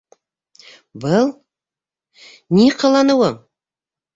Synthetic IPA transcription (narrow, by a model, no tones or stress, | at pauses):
bəlˠ | neqʰɑlˠɑnəwə